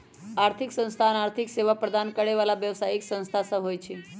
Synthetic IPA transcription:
aɾt̪ʰiksə̃nst̪ʰanaɾt̪ʰikseʋapɾəd̪ʱankəɽeʋalaʋjəʋsajiksə̃ñst̪ʰasəɦojt͡ʃʰe

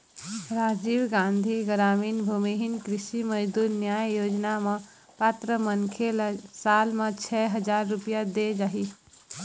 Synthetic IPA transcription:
ɾaːd͡ʒiːwɡãːnd̪ʱiɡɾaːmiːnbʱumiɦɪnkɾɪʃiməd͡ʒd̪uːɾnjaːjjoːd͡ʒnamã | paːt̪ɾəmənkʰelsaːlmãt͡ʃʰɛːɦəd͡ʒaːɾːʊpijad̪ed͡ʒaːɦiː

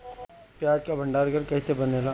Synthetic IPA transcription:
pjaːɾkabʱɐ̃ɳɖaːɾɡəɾkɛːsebɐneːlaː

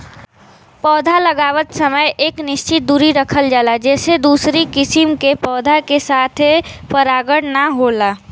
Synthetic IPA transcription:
pɔːd̪ʱaləɡaːʋət̪səməjʔeːknɪst͡ʃɪt̪̚d̪uːɾiɾəkʰəld͡ʒaːlad͡ʒɛːsed̪uːsɾikɪsimkepɔːd̪ʱakesaːt̪ʰepəɾaːɡəɽnaɦola

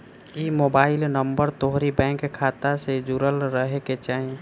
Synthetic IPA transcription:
imobaːɪlnəmbəɾt̪oɦɾibɛ̃ŋkkʰːat̪ased͡ʒuɾəlɾəɦeket͡ʃaɦi

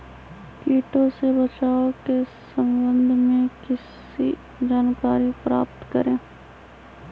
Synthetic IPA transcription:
kiːʈõsebət͡ʃaːokesə̃mbə̃nd̪ʱmẽkɪs | i | d͡ʒaːnkaːɾipɾa̰ːpt̪kəɾẽː

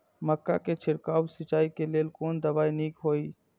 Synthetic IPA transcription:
məkːa̰ket͡ʃʰɪɾkaːwsɪt͡ʃaːikeleːlkoːnd̪əʋaːiniːkɦoːiː

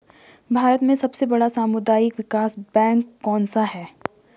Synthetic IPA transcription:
bʱaːɾət̪mẽsɐbsebɐɽasaːmʊd̪aːjɪkʋɪkaːsbɛ̃ːŋkːɔ̃ːnsaɦɛː

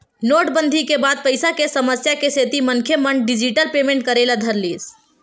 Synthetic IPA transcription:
noʈbənd̪ʱikebad̪̚pəjsakesəməsjakeset̪imənkʰjeməɳ̚ɖid͡ʒiʈəlpemẽɳʈ̚kəɾelad̪ʱəɾlis

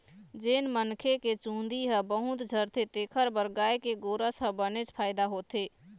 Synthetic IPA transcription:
d͡ʒeːnmənkʰeket͡ʃũːnd̪iɦəbəɦʊt̪d͡ʒʱəɾt̪ʰet̪eːkʰəɾbəɾɡaːekeɡoːɾəsɦəbənet͡ʃpʰaːɪd̪aɦoːt̪e

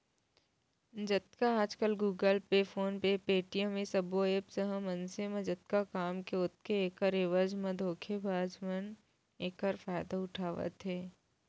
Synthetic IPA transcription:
d͡ʒɐt̪kaaːd͡ʒkəlɡuːɡəlpefʰoːnpepeːʈijə̃mẽsɐboeːpsəɦə̃mɐnsemẽd͡ʒɐt̪̚kakaːmkeʊt̪keeːkəɾeːʋəd͡ʒmɐ̃d̪ʱoːkʰebʱaːd͡ʒmən | eːkəɾfaːjd̪aʊʈʰaːʋə̰t̪ɦɛː

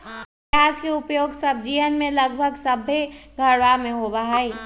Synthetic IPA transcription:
ad͡ʒkeʊpjoɡsəbʱd͡ʒijənmẽləɡbʱəɡsəbʱːeɡʱəɾʋamẽɦobəɦəi

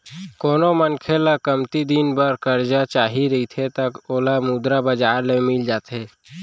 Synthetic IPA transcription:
koːnomənkʰelakəmt̪id̪iːnbəɾkəɾd͡ʒat͡ʃaːɦiɾɐɦit̪ʰet̪əkoːlamuːd̪ɾabəd͡ʒaːɾlemɪld͡ʒaːt̪eː

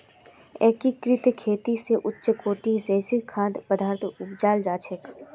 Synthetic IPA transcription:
eːkikɾɪt̪kʰeːt̪iseʔʊtːʃkoːʈiseːsɪkʰaːd̪pəd̪ʱaːɾt̪ʰʊpd͡ʒaːld͡ʒaːt͡ʃʰek

